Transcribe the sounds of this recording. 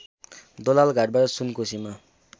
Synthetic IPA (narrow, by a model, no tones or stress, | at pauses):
d̪olalɡʱaʈ̚baʈʌsunkosima